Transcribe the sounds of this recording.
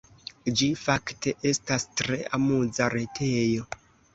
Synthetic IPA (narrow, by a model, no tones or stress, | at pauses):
d͡ʒifaktʰe̞ʔe̞stastɾe̞ʔamud͡zaɾetʰe̞jo̞